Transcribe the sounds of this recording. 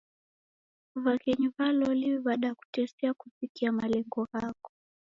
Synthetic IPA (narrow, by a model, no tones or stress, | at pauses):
vakɛɲivalɔliɓaɗaaku̥tɛsɛakufikiamalɛŋɡɔhakɔ̥